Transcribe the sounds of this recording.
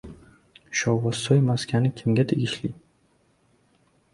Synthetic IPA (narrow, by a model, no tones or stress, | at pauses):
ʃɒwvasɒjmaskʲʰanɪkʲʰimɡʲad̪eɡʲɪʃli